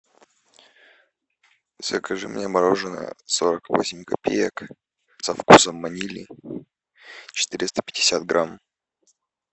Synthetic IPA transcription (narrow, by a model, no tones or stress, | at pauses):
zɐkɐʐɨmnʲemɐɾoʐɨnə̰so̞ɾəkvo̞̰sʲɪmʲkɐpʲḛjək | sɐfkusəmːɐnʲilʲḭ | t͡ɕɪ̥t̪ɨɾʲɪst̪ə̥pʲɪdʲɪsʲat̪̚ɡɾʔam